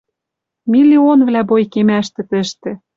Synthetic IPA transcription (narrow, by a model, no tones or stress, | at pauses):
milʲionvlæbojkemæʃt̪ɘ̆t̪ɘ̆ʃt̪ĕ